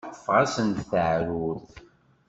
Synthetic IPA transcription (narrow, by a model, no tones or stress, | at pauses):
fʁasənt̪θəʕɾuθ